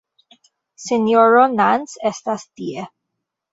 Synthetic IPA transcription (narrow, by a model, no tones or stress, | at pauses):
senjoɾonansest̪ast̪ie